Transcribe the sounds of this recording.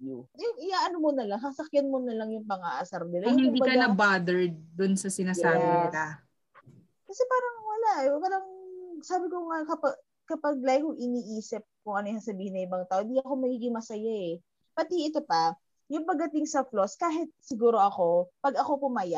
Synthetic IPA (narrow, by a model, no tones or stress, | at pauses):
jʊɪjaʔɐnomonɐlaŋsɐsɐkjanmonɐlɐŋjʊŋpɐŋaʔɐsɐɾnɪlajʊɪnd̪ibɐkɐnɐbad̪ɛɹd̪̚d̪ʊnsɐsɪnaːjaːbɪnɪla | kɐsɛpaːɾɐŋwɐlaʔɛwɐlɐŋsaːbɪkoŋakɐpa | kɐpɐɡ̚lajɪkoŋʔɪniːʔiːsɪp̚kʊŋʔɐnojɐŋsɐbiːhɪnːɐʔɪbɐŋt̪aːʔoʔɪnd̪iʔɐko̞mɐɡiːɡɪŋmɐsɐjaʔɛ | pɐt̪iʔɪt̪opɐ | jʊŋpɐɡ̚ːɐt̪ɪŋsɐfloskaːɦɪt̪̚sɪɡuːɾo̞ʔɐko̞pɐɡɐko̞pʊmaːjaʔ